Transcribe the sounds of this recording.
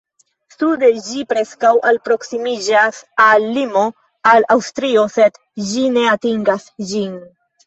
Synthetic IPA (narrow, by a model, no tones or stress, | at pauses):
sude̞d͡ʒipɾe̞skawʔalpɾo̞ksimid͡ʒasalːimo̞ | alawstɾio̞se̞d | d͡ʒine̞atiŋɡasd͡ʒin